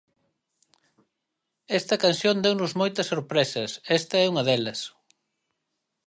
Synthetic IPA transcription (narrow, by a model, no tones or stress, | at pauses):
ɛst̪ɐkansjond̪ewnʊzmojt̪ɐsoɾpɾesɐsɛst̪ɐɛuŋɐðelɐs